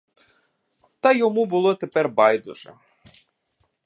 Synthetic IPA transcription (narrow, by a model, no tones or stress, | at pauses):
t̪ɑjɔmubʊlˠɔt̪epɛrbɑjd̪ʊʒɛ̰